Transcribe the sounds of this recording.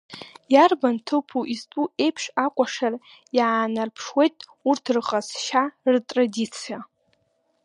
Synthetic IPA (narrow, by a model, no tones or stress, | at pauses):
jarbantʰɨpʰuʔiztʼuʔe̞jpʰʂakʷʼaʂar | jaaːnarpʰʂwe̞jtʼurtʰrqʼazʃartʼradit͡sʰija